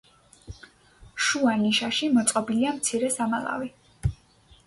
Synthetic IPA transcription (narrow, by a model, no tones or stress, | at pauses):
ʃuaniʃaʃimɔt̪sʼqʼɔbiliamt̪sʰiɾɛsamalˠa̰vi